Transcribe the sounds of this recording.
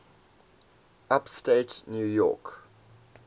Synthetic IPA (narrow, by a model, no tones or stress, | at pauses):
apsteɪtnjujɔ̰ˑk